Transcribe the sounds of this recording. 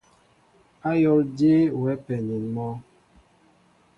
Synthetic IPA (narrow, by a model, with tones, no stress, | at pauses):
a˦jɔ˦lde˦wɛ˨˦pɛ˨ɲi˨nmɔ˦